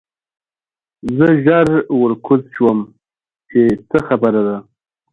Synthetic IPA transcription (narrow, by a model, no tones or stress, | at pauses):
zəʒaɾwəɾkʰʊzʃwəm | t͡ʃet͡səxabəɾad̪a